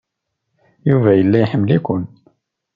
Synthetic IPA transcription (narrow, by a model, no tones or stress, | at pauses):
juvæʔəlːæjħəmːlikʊn